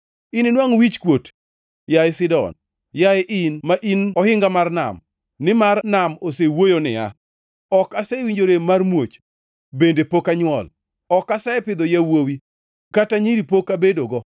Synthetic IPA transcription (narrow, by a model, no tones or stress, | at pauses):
inɪnwaŋwit͡ʃkwot | jaɪsɪdɔ̰n | jaɪʔɪnmaʔinɔhɪŋɡamarna̰m | nɪmarnamosewojonɪ̰a̰ | ɔkasewiɲd͡ʒoɾemarmwot͡ʃ | bendepokaɲwɔ̰l | ɔkasaɪpɪd̪ɔjawowi | kataɲiɾipokabedoɡɔ